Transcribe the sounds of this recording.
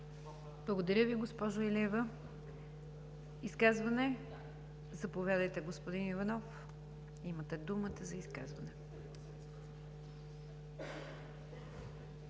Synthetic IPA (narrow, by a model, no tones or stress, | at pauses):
blˠəɡod̪ɐɾʲjəviɡospɔʒoɛlʲɛvə | iskazvənɛ | zɐpovʲjad̪əjt̪ɛɡospod̪inivɐnɔf | imət̪ɛd̪umət̪əzɐiskazvɐnɛ